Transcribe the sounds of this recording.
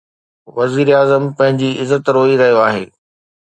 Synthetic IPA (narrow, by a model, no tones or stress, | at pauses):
ʋɐziːɾaːzəmpɐ̃ɦɪ̃ɲd͡ʑiɪzət̪ɾoːiɾɐɦijoaːɦeː